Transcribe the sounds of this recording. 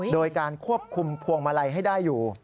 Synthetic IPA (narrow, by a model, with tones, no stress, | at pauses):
doː˧jkaː˧nkʰu˥˩əp̚kʰu˧mpʰu˧əŋma˧la˧jɦa˥˩jdaː˥˩jːuː˨˩